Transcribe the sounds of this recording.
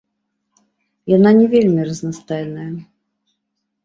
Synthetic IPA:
jananʲɛvʲelʲmʲirəznɐst̪ajɛnəjə

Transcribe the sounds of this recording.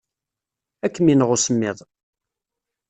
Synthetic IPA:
ækːəminəʁʊsəmːɪðˤ

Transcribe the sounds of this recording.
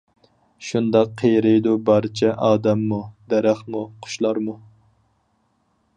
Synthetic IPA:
ʃund̪ɑqʰːejɾɪjd̪ubɑɾt͡ʃʰɛʔɑːd̪ɛmːud̪ɛɾæχmuqʰʊ̥ʃlˠɑɾmu

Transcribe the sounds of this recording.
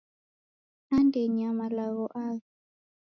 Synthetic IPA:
andeɲamalaɣɔʔaɣ

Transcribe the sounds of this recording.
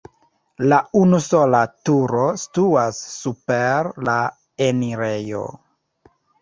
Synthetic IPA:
launuso̞latuɾo̞stuasːupeɾla | eniɾe̞jo̞̰

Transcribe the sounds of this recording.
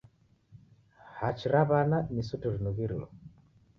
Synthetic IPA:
hat͡ʃiɾaβananisutuɾinuɣiɾilɔ̰

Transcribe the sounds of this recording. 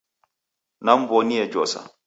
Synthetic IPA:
nambɔniɛd͡ʒɔːsa̰

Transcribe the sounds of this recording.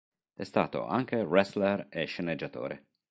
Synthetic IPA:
ɛst̪a̰ːt̪o̰ʔa̰ŋk̟erɛslereʃened͡ʒːat̪o̰ːɾḛ

